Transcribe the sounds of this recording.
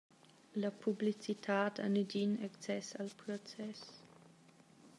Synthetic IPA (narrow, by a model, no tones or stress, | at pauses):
lapʰublit͡sit̪ʰaːtʰa̰nidinɛkt͡sɛsalpɾot͡sɛs